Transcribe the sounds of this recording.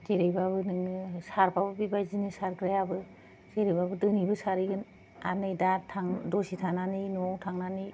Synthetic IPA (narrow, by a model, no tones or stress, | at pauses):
zeɾejbaβɯnɯŋnɯsaɾpʰabɯbibajzinɯsaɾɡɾajabɯ | z̥eɾejbabɯdɯnibɯsaɾiɡɯn | a̰nɯjdatʰaŋdɔsitʰananinɔwtʰaŋnani